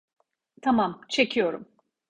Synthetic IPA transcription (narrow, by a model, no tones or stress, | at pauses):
t̪ʰamamt͡ʃʰe̞cʰijo̞ɾum